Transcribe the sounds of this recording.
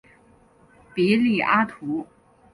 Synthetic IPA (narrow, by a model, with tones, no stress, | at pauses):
pi˧˥li˨˩ʔa˥t̪ʰu˧˥